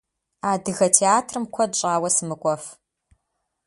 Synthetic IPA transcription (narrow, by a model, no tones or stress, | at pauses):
aːdɨɣɐtʰeaːtʰrɨmkʷʰɔdɕʼaːwɐsɨmɨkʷʼɔf